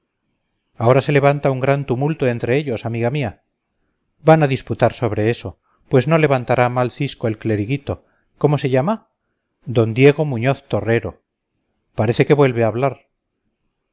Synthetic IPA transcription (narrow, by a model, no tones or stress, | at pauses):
ao̞ɾase̞le̞βant̪auŋɡɾant̪umult̪oe̞nt̪ɾe̞eʎo̞samiɣamia | banaðisput̪aɾso̞β̞ɾe̞e̞so̞ | pwe̞zno̞le̞βant̪aɾʔamalθisko̞e̞lkle̞ɾiɣit̪o̞ | ko̞mo̞se̞ʎama | d̪o̞nd̪je̞ɣ̞o̞mũɲo̞θt̪o̞re̞ɾo̞ | paɾe̞θe̞ke̞βwe̞lβeaβlaɾ